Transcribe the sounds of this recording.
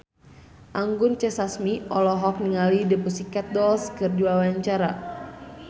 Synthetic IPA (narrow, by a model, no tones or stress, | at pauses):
ʔaŋɡʊnt͡ʃɛsasmiʔɔlɔɦɔk̚niŋalidəpusikat̪̚dɔlskɨrduwawaɲt͡ʃaɾa